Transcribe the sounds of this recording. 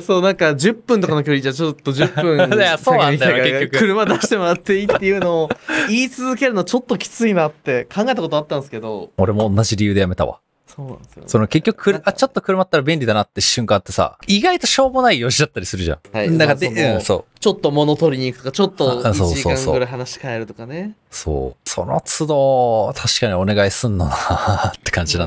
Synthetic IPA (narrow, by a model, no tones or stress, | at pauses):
so̞ːnãŋkad͡ʑɨpːɯ̃nt̪okanokʲoːɾʲit͡ɕat͡ɕot̪ːo̞d͡ʑɨpːɯ̟̃asoːnãkekːokɯkɯ̟ɾɯ̟mad̪aɕt̪e̞mo̞ɾat̪ːe̞it̪ːe̞jɯ̟ːno̞ːiːt͡sɨzɨke̞ɾɯnot͡ɕo̞t̪ːo̞kʲi̥t͡sɨinat̪ːe̞kʰãŋɡaet̪akot̪oat̪ːãsɨ̥ke̞d̪o̞oɾe̞mõ̞ːnːaʑiɾʲijɯ̟ːd̪e̞jame̞t̪a̰βa̰ | soːnã̰sjo̰sonke̞kʲːoɯ̥kʰɯɾɯʔat͡ɕot̪ːo̞kɯɾɯ̟mat̪ːaɾabẽ̞nʲɾʲid̪anat̪ːe̞ɕɨ̃ŋkãt̪ːe̞sa̰iɡait̪o̞ɕo̞ːɡonaijo̞ʑid̪at̪ːaɾʲisɨɾɯ̟ʑã̰ŋhad̪akad̪eɯ̃so̞̰ːt͡ɕo̞t̪ːo̞mo̞no̞t̪oɾʲiɲ̟iːkɯ̟t̪okat͡ɕot̪ːõːsoːioːãŋsoːɡɯɾaiɦanaɕi̥kaeɾɯ̟t̪o̞kaneso̰ːso̞̰no̞t͡sɨd̪o̞ːt̪ʰaɕi̥kaɲ̟io̞ne̞ɡaisɨ̃nːonat̪ːe̞̥kãɲ̟d͡ʑinã̰n